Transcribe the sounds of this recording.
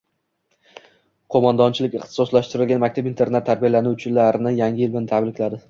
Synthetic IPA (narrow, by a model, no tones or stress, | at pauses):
qʰomand̪ɒnt͡ʃʰɪlɪkʲɪχt̪ɪ̥sɒslaʃt̪ɪɾɪlˠɡʲanmakʲt̪ʰapint̪ʰe̞ɾnet̪ʰːaɾbijalanut͡ʃʰɪlaɾɪnɪjaŋʲɪjɪlbɪnɪt̪ʰabɾɪkʲlad̪ɪ